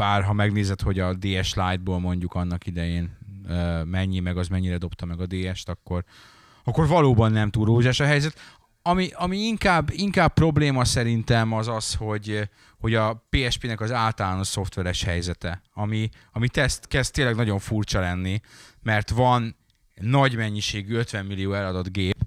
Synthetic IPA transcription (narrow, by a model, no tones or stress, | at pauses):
baːrɦɒmɛɡneːzɛt̪ho̞ɟɒd̪eːɛʃlaːjd̪̚boːlmo̞ɲɟukɒnːɒkid̪ɛjeːnøːmɛɲːimɛɡɒzmɛɲːiɾɛd̪o̞pt̪ɒmɛɡɒd̪eːɛʃt̪ɒkːo̞r | ɒkːo̞rvɒloːbɒnːɛmt̪ulɾoːʒaːʃɒɦɛjzɛt̪ | ɒmiʔɒmiiŋkaːbːiŋkaːb̚pːro̞bleːmɒsɛɾint̪ɛmɒzɒsho̞ɟ | ho̞ɟɒpeːɛʃpeːnɛkɒzaːlt̪ɒlaːnoʃso̞ft̪ʋɛɾɛʃhɛjzɛt̪ɛɒmi | ɒmit̪ɛst̪kɛz̥t̪ːeːnlːɛɡnɒɟo̞ɱfurt͡ʃɒlɛnːimɛrt̪vɒnː | ɒɟmɛɲːiʃeːɡyøt̪ʋɛmːilijoːɛlɒd̪o̞d̪ɡeːp